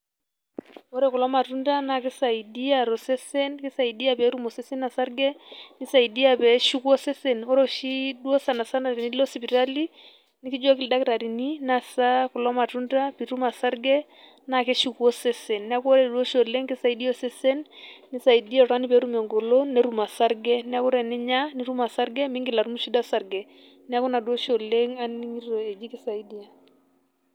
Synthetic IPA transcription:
ɔ˦ɾɛ˦˨kɔ˨lɔ˦ma˨tu˦nda˦na˨kɪ˦sa˨i˨di˦a˨ɾɔ˨sɛ˦sɛ˦nkɪ˦sa˨i˨di˦a˨pɛ˨˦ɾu˦mɔ˨sɛ˦sɛ˦nna˨sa˦ɾɡɛ˦ni˦sa˨i˨di˦a˨pɛ˨ʃu˦kwɔ˦sɛ˦sɛ˨nɔ˦ɾɔ˦ʃi˦dwɔ˦sa˨na˨sa˦na˨ɾi˨ni˦lɔ˦si˨pi˨ɾa˦li˦ | ni˦ki˦d͡ʒwa˦ki˨lda˦ki˦ɾa˨ɾi˨ni˦na˨sa˦kɔ˨lɔ˦ma˨tu˦nda˦pi˨ɾu˦ma˨sa˦ɾɡɛ˦ | na˨kɛ˦ʃu˦ku˨ɔ˦sɛ˦sɛ˨nːa˦kɔ˦ɾɛ˨du˦o˦ʃɔ˨le˦ŋkɛ˦sa˦˨i˦di˦ɔ˦sɛ˦sɛ˦nːɪ˦sa˨i˨di˦a˦ɾa˦ni˦pɛ˨˦ɾu˦mɛ˨ŋɡo˨lo˦nɛ˦ɾu˨ma˨sa˦ɾɡɛ˦nɛ˦a˦ku˦ɾɛ˨nɪ˦ɲa˦ni˦ɾu˦ma˨sa˦ɾɡɛ˦mi˦ŋɡɪ˨la˨ɾu˦mu˦ʃi˦da˦sa˦ɾɡɛ˨ | nɛ˦a˦ku˦na˨du˦ɔ˦ʃɔ˨le˦ŋa˦ni˦ŋi˦ɾɾo˨e˨d͡ʒi˦ki˦sa˨i˦di˦a˨

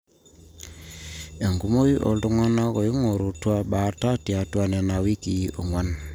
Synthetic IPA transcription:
e˨ŋɡu˦mo˦ji˦ʔo̰˨ldu˦ŋa˦na˦kɔ˨ji˦ŋo˨ɾu˨twa˦ba˨˦ta˦tja˨twa˦nɛ˨na˨wi˦ki˨o˨ŋwa˦n

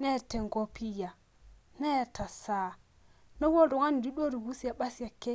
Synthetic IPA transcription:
ne˦ɾte˨ŋ˨ɡo˦pi˦ja˨ | ne˦˨ɾta˨sa˦ | no˦wo˦du˨ŋa˦n˨di˦ɗo˦ɾi˨wu˦sja˨ɓa˦sja˨kːe˦

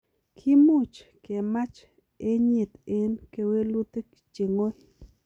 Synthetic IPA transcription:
kʰi˦mu˦˨t͡ʃke˨ma˦t͡ʃ | e˦ɲe˨t̪e˦nke˧we˦lu˦t̪e˦k | t͡ʃe˨ŋo˦j

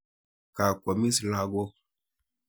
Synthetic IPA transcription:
ka˨kɔ˨mi˦si˨la˦ɡo˦

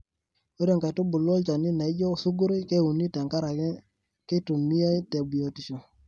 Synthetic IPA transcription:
o˦ɾe˦˨ŋka˨tu˦bʊ˨lɔ˦lt͡ʃa˨ni˦na˨i˦d͡ʒɔ˦˨su˦ɡu˦ɾo˦ke˦˨u˨ni˦ta˨ŋka˦ɾa˨k | ke˦tu˨mi˦a˦jte˨bi˨jo˨ti˨ʃo˨

